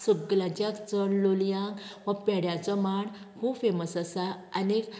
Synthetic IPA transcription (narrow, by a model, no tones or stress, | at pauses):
suɡlãt͡ɕjakt͡sɔɽloljãŋɡʋəpɛɽjãt͡sɔmaɳ | kʰubfeməsəsaənek